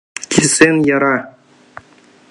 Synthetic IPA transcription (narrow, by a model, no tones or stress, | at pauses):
kʲʰisenʲjɑɾɑ